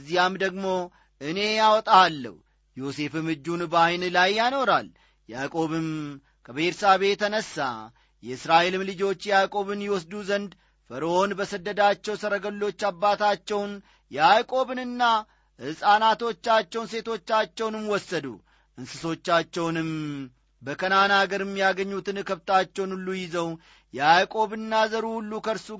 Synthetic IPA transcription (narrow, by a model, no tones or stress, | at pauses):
zːijamd̪əɡmo̞ | ʔɨne̞jawɔt̪ʼaːlːə̰hwu | jo̞se̞fɨmɨd͡ʒːunbajnlajːano̞ɾal | jakʼo̞βɨm | kʰəbəɾsaβe̞t̪ʰənəsːa̰ | jɛɨsɾaʔe̞lɨmlɨd͡ʒo̞t͡ʃːjjakʼo̞βɨnjɛwɔs̬d̪uzənd̪ | fəɾəo̞nbəsəd̪ːəd̪at͡ʃːɛwsəɾəɡəlːo̞t͡ʃːabːat̪at͡ʃːɛwn | jɛakʼo̞βɨnɨnːa | hɨsʼanat̪o̞t͡ʃːat͡ʃːɛwnse̞t̪ʰo̞t͡ʃːat͡ʃːɛwnɨmwɔsːəd̪ṵ | ʔɨnsɨso̞t͡ʃːat͡ʃːɛwnɨm | bəkʰənanaɡəɾɛmːijaɡəɲːut̪ɨnkʰəβt̪ʰat͡ʃːɛwnulːujɪzəw | jɛakʼo̞βɨnːazəɾuhulːukʰəɾsu